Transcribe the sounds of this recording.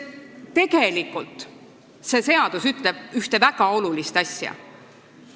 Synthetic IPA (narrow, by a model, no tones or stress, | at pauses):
t̪e̞ɡ̥e̞likːˑult̪ˑ | se̞se̞ɑd̪̥usyt̪leb̥yht̪e̞væɡ̥ɑo̞lulist̪ɑsʲjɑ̰